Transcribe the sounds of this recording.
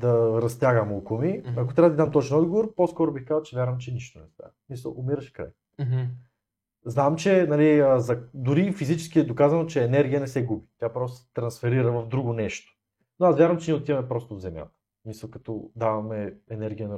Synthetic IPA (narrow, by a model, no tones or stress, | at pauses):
d̪ɐɾɐst̪ʲjaɡəmolˠkomiɐkot̪ɾʲabɐd̪id̪amt̪ɔt͡ʃɛnɔd̪ɡovoɾposkɔɾobixkazət͡ʃɛvʲjaɾvɐmt͡ʃɛniʃt̪onɛst̪a̰smisɐ̰lˠomiɾɐʃɛ̥kɾa̰j | znamt͡ʃɛnɐliəzɐd̪ʊɾifizit͡ʃɛ̥skiɛd̪okazɐnot͡ʃɛːnɛɾɡʲijənɛsɛɡubit̪ʲjapɾɔst̪osɛt̪ɾɐnsfɛɾiɾəvɐvd̪ɾuɡonɛʃt̪o̥ | noasvʲjaɾvɐmt͡ʃɛniot̪ivɐmɛpɾɔst̪ovzɛmja̰t̪ə̥ | smisɐlˠkɐt̪ɔd̪avɐmɛɛnɛɾɡʲijənɐ